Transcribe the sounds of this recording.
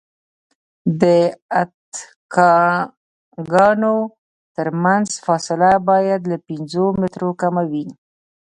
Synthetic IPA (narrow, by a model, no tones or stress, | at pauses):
d̪əat̪ | kɑ | ɡɑno | t̪əɾmanzfɑsɪlabɑjad̪lapɪnzomɪt̪ɾokamawi